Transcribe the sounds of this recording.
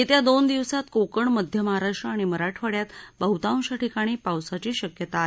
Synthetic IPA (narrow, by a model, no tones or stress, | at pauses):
et̪jad̪ond̪iʋsat̪kokəɳməd̪ʱjəməɦaɾaʂʈɾəaɽ̃iməɾaʈʰʋaɽjat̪bəɦut̪aw̃ɕaʈʰikaɽ̃iːpawsat͡ɕiːɕəkjət̪aːɦe